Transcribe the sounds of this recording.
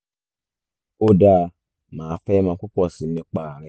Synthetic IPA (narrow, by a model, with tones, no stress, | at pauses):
o˦da˦ | ma˨fe˦ma˨kʷu˦kʷɔ˨si˨me˦k͡pa˨ɾɛ˦